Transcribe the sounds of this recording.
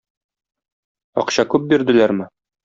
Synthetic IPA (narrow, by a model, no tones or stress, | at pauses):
ɒ̰qɕɑkʉp̚biɾd̪ɘ̆læɾmɘ